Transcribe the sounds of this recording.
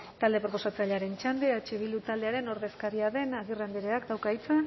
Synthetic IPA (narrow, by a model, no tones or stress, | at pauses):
t̪ald̪e̞pɾo̞po̞sat͡saʎaɾe̞nt͡ʃand̪eat͡ʃeβilut̪ald̪eaɾe̞no̞ɾðe̞skaɾiaðe̞naɣ̞irend̪eiɾeakd̪awkait͡sen